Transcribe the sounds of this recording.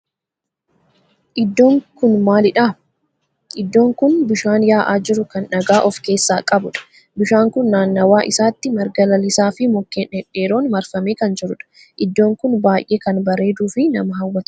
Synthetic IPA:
ʔɪd̪ːo̞ːŋkʊnmaːlɪᶑaː | ʔɪd̪ːo̞ːŋkʊnbɪʃaːnjaːʔaːd͡ʒɪɾʊkɐnᶑɐɡaːʔɔfke̞ːsːaːkʼɐbʊᶑɐ̥ | bɪʃaːŋkʊnːaːnːɐwaːʔɪsaːt̪ːɪmɐɾɡɐlɐlɪsaːfɪmɔkːeːnɛᶑe̞ːɾo̞ːnmɐɾfɐmeːkɐnd͡ʒɪɾʊᶑɐ̥ | ʔɪd̪ːo̞ːŋkʊnbaːjʔeːkɐnbɐɾe̞ːd̪uːfɪnɐmɐɦɐwːɐt̪

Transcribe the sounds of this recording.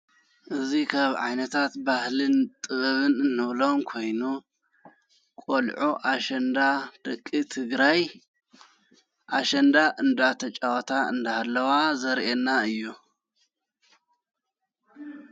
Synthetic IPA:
ʔɨzikʰaβʕa̰jnɐt̪ʰat̪bahlɨnt̪ʼɨɣɨβɨnɨnːɨβlo̞mkʰo̞jnu | kʼolʕʔuʔaʃɐnd̪ad̪̥ɐkʼːit̪ʰɨɡɾaj | ʔaʃɐnd̪aʔɨnd̪at̪ʰɐt͡ʃʼawɐt̪ʰaɨ̰nd̪ahalːɐwazɐɾʔenːaɨjːu

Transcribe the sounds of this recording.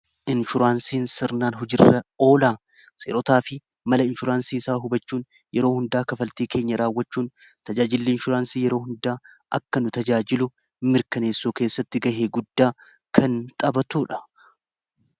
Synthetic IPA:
ɪnʃʊɾaːnsiːnsɪɾnaːnɦʊd͡ʒɪrːɐo̞ːlaː | sḛːɾɔt̪aːfɪ | mɐlɐɪnʃʊɾaːnsiːɪsaːɦʊbɐt͡ʃːuːn | jɛɾo̞ːhʊnd̪aːkɐfɐlt̪iːkʰe̞ːɲːɐɾaːwːɐt͡ʃːuːn | t̪ɐd͡ʒaːd͡ʒɪlːɪɪnʃʊɾaːnsiːjɛɾo̞ːhʊnd̪aː | ʔɐ̰kːɐnʊt̪ɐd͡ʒaːd͡ʒɪlʊ | mɪɾkɐne̞ːsːoːke̞ːsːɐt̪ːɪɡɐheːɡʊd̪ːaː | kʰɐnt̪ʼɐbɐt̪uːᶑɐ̥

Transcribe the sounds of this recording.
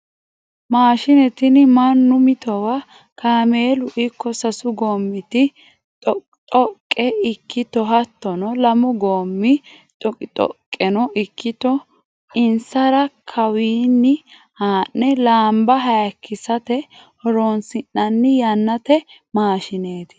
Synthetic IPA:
maːʃɪnɛt̪ɪnɪmɐnːʊmɪt̪ɔwɐ | kʰaːmeːlʊʔɪkːɔsɐsʊɡoːmːɪt̪ɪ | tʼɔ | t̪ʼɔkʼːɛɪkʰːɪt̪ɔɦɐt̪ːɔnɔlɐmʊɡoːmːɪ | t̪ʼɔt̪ʼɔ̰kʼːɛnɔʔɪkːɪt̪ɔ | ɪnsɐɾɐkʰɐwiːnːɪ | haːnːɛlaːmbɐɦɐjɐkʰːɪsɐt̪ɛhɔɾoːnsɪnːɐnːɪjɐnːɐt̪ɛ | maːʃɪne̞ːt̪ɪ̥

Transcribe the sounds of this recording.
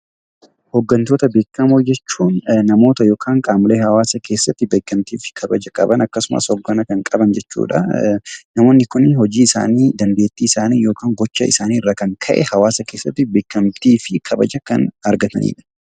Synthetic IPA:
hɔɡːɐnt̪oːt̪ɐbe̞ːkːɐmod͡ʒɛt͡ʃːuːnnɐmo̞ːt̪ɐjo̞ːkʰaːŋkʼaːmɪleːhɐwaːsɐkʰe̞ːsːɐt̪ːɪbe̞ːkːɐmt̪iːfɪ̥kʰɐbɐd͡ʒɐkʼɐ̰bɐnɐkːɐsʊma̰shɔɡːɐnɐkɐŋkʼɐbɐnd͡ʒɛt͡ʃːṵːᶑɐ̰ | nɐmo̞ːnːɪkʊnhɔd͡ʒiːɪsa̰ːniːd̪ɐnd̪e̞ːt̪ːiːɪsaːniːjo̞ːkaːŋɡɔt͡ʃːɐ̰ɪsaːniːɪrːaːkɐŋkʰɐʔɛ̰hɐwaːsɐke̞ːsːɐt̪ːɪbe̞ːkːɐmt̪iːfɪkʰɐbɐd͡ʒɐkɐnɐɾɡɐt̪ɐnḭːᶑɐ̥

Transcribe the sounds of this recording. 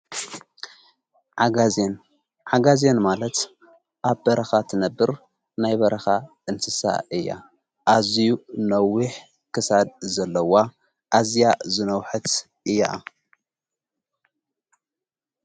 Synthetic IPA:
ʕaɡazen | ʕaɡazenmalɐt̪ | ʔaβbɐɾɐxat̪ʰɨnɐbːɨɾ | najbɐɾɐxa | ɨnsɨsa̰ʔɨjːa̰ | ʔazijunɐwːiħ | kʰɨsad̪̚zɐlːɐwa | ʔazjazɨnɐwħɨt̪ | ʔɨjːa̰

